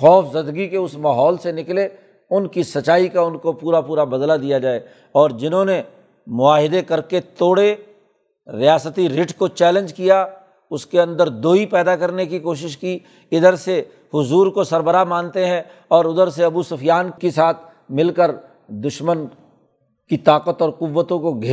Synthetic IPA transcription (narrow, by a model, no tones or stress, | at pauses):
xɔːfzɐd̪ɡikeʊsmaːɦɔːlsenɪkle | ʊnkisɐt͡ʃːaːikaʊnkopuːɾapuːɾabɐd̪lad̪ijad͡ʒaːe | ɔːɾd͡ʒɪnɦõne | mʊaːɦɪd̪ekɐɾket̪oːɽe | ɾɪjaːsət̪iɾɪʈkot͡ʃɛːlə̃nd͡ʒkija | ʊskeɐ̃nd̪əɾd̪oːipɛːd̪akɐɾnekikoːʃ̬ɪʃki | ɪd̪əɾse | hʊzuːɾkosɐɾbəɾamãːnt̪eɦɛ̃ | ɔːɾʊd̪əɾs̬eɐbusʊfjaːnkesaːt̪ʰ | mɪlkəɾ | d̪ʊʃmən | kit̪aːqət̪ɔːɾqʊʋːət̪õkoɡʱeː